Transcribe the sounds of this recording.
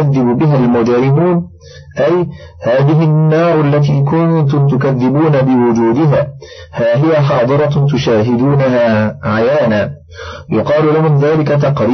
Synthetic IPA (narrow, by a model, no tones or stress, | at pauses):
aðːɪbʊbɪɦalmʊd͡ʒaɾɪmuːn | ʔaj | haːðɪɦɪnːɑːɾˤʔalːat̪̬iːkʊnt̪ʊmt̪ʊkaðːɪbuːnabɪwʊd͡ʒuːd̪ɪɦaː | haːɦɪjaħɑːd̪ˤɨɾˤɑt̪̬ʊʃaːɦɪd̪uːnaɦaːʕajaːnaː | jʊqɑːlʊlahʊmðaːlɪkat̪ɑqɾi